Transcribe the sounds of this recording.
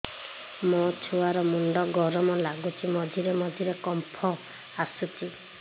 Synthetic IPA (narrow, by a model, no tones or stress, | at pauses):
mɔt͡ʃʰuaɾɔmuɳɖɔɡɔɾɔmɔlaɡut͡ʃʰimɔd͡ʒʱiɾemɔd͡ʒʱiɾekɔmpʰɔ | asut͡ʃʰi